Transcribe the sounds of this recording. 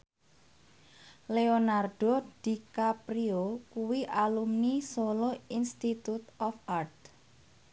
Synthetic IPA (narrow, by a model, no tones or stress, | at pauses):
leonarɖ̥od̪̥ikapɾiokuwiʔalumnisoloinst̪it̪ut̪ɔfart̪̚